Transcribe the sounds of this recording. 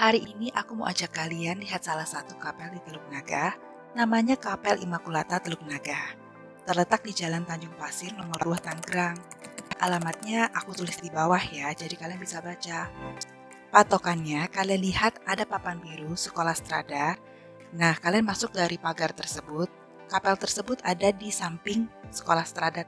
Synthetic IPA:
haɾiʔiniʔakumo̰ʔa̰d͡ʒakːalianliɦat̪̚salahsat̪ukapɛldit̪əluk̚naɡa | namaɲakapɛlḭmakulat̪at̪əluk̚naɡah | t̪ərlət̪ak̚did͡ʒalant̪aɲd͡ʒʊŋfasɪrnɔmɔrduaht̪aŋɡəɾaŋ | ʔa̰lamat̪̚ɲaʔakut̪ulɪsdibawahjad͡ʒadikalianbisabat͡ʃa | pat̪okanɲakalianlihat̪̚ʔadapapanbiɾusə̥kolahst̪ɾadar | nahkalianmasʊk̚daɾipaɡart̪ərsəbʊt̪̚ | kapɛlt̪ərsəbʊt̪adadisampɪŋsə̥kolahst̪ɾadar

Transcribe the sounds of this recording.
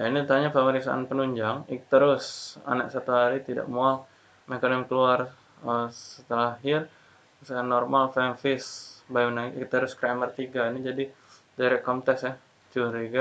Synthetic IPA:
jainit̪aɲapəməɾiksa̰ʔa̰npənuɲd͡ʒaŋik̚t̪əɾʊsa̰na̰k̚sat̪uɦaɾit̪ida̰ʔmuaŋ | mekanɪmkəluar | əsət̪əlaaɦɪr | sukanːɔrmalfɛnfɪsbanaɡiʔkt̪əɾʊskɾamərt̪iɡainid͡ʒadi | daɾɛʔ̚kɔnt̪ɛksah | t͡ʃuɾiɡa

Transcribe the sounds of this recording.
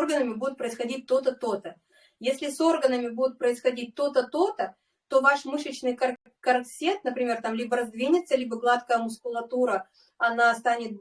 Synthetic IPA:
rɡənəmʲɪbud̪ʲʊt̪̚pɾəɪsxɐdʲit̚ʲt̪o̞t̪ət̪o̞t̪ə | jesʲlʲɪso̞rɡənəmʲɪbudʲɪt̪̚pɾəɪsxɐdʲit̚ʲt̪o̞t̪ət̪o̞t̪ə | t̪o̞vaʂmɨʂɨt͡ɕnɨjkɐ | kɐrksʲet̪nəpɾʲɪmʲe̞rt̪amlʲibəɾɐzd̪vʲinʲɪt̪sːəlʲibəɡlˠat̪kəjəmʊskʊlˠɐt̪uɾə | ɐnast̪anʲɪt̪̚

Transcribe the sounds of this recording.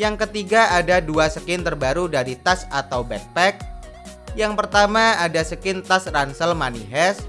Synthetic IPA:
jaŋkət̪iɡaadaduasəkɪnt̪ərbaɾudaɾit̪asat̪awbɛt̪̚pɛk̚ | jaŋpərt̪amaadasəkɪnt̪asransəlmaniɦɛs

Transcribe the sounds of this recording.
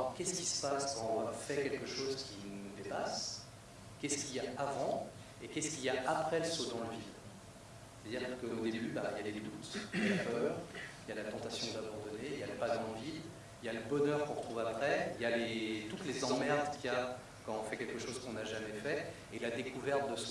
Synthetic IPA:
kʲɛsə̥kʲi̥sə̥paskɑ̃ɔ̃fɛkʲɛlkəʃozkʲinud̪epas | kʲɛskʲiljaavɑ̃ | ekʲɛskʲiljaʔapχɛləsod̪ɑ̃ləvid̪ | se̥t̪ad̪iʁkəod̪ebybailjaled̪ut̪lapœʁijalat̪ɑ̃t̪asjɔ̃d̪abɑ̃d̪ɔneiljaləpad̪ɑ̃ləvid̪ | iljaləbɔnœʁkɔ̃ʁət̪ʰχuvapχɛiljalet̪ut̪lezɑ̃mɛʁd̪kʲia | kɑ̃ɔ̃fɛkʲɛlkəʃozkɔ̃naʒamɛfɛ | elad̪ekuvɛʁt̪̚d̪əs

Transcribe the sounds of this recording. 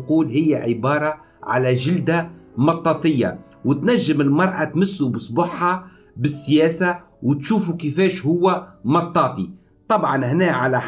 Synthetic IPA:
quːlɦɪjːaʕɪbɑːɾˤɑ | ʕa̰læʒɪld̪amɑt̪ˤːɑːt̪ˤɪjːa̰ | wt̪naʒːɪmɪlmɑɾˤʔɑt̪mɪsːubɨsˤbʊħːɑ | bɪsːjɛːsa | wɪt̪ʃuːfukɪfɛːʃhʊwːamɑt̪ˤːɑːt̪ˤi | t̪ˤɑbʕɑnhnɛːʕalaħ

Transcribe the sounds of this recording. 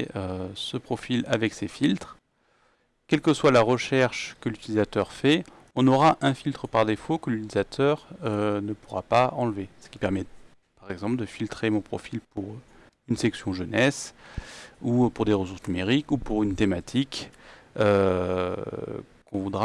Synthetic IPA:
øsəpχɔfila̰vɛksefilt̪χ | kʲɛlkəswalaʁəʃɛʁʃkəlyt̪ilizat̪œʁfɛ | ɔ̃nɔʁaʔɛ̃filt̪χəpaʁd̪efokəlyt̪ilizat̪ʰœʁønəpuʁa̰paɑ̃lvesə̥kʲi̥pɛʁmɛ | paʁɛɡzɑ̃pld̪əfilt̪χemɔ̃pχɔ̰filpuʁ | ynsɛksjɔ̃ʒənɛs | upuʁd̪eʁəsuʁsnymeʁikupuʁynt̪emat̪ʰik | ø | kɔ̃vud̪ʁa

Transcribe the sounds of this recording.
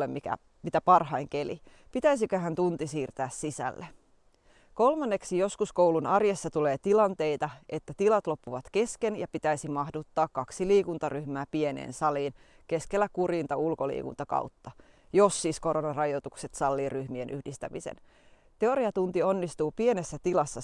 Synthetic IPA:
emmikæ̰ | mit̪æpɑrɦɑjŋkelḭ | pit̪æis̬ikøɦænt̪unt̪isiːrt̪æːssisæ̰lːe | ko̞lmɑnːeksijo̞skuskowlunɑrjesːɑt̪ule̞ːt̪ilɑnt̪e̞jt̪ɑe̞t̪ːæt̪ilɑt̪lo̞pːuʋɑt̪ke̞skenjɑpit̪æisimɑhdut̪ːɑːkkɑksiliːkunt̪ɑryhmæːpie̞nḛːnsɑliːnke̞skelːækuɾiːnt̪ɑulko̞lḭːkṵnt̪ɑkɑ̰wt̪ːɑ | jo̞sːisko̞ɾo̞nɑrɑjot̪ukse̞t̪sɑlːiryhmie̞nʔyhdist̪æmisḛn | t̪e̞o̞ɾiɑt̪unt̪io̞nːist̪uːpie̞nesːæt̪ilɑsːɑ

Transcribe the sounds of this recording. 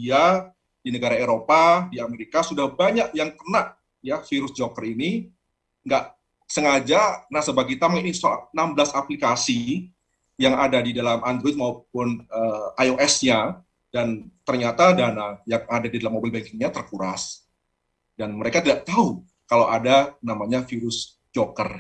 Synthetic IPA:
ia | dinəɡaɾaeɾopadiameɾikasudahbaɲaʔjaŋk̪ənaʔ | jafiɾʊsd͡ʒokərini | ŋɡaʔ | səŋad͡ʒanahsəbaɡit̪amaŋinsanamblasaplikasi | jaŋadadidalamandɾɔijt̪̚maup̚ʊnəajoʔɛsɲa | dant̪ərɲat̪adanajaŋadadidalamːobɪlbaŋkɪŋɲat̪ərkuɾas | danməɾekat̪idaʔt̪au | kalawadanamaɲafiɾʊs | d͡ʒokər

